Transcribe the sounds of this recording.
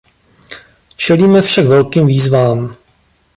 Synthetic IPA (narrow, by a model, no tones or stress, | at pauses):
t͡ʃɛliːmɛfʃaɡvɛlkiːmviːzvaːm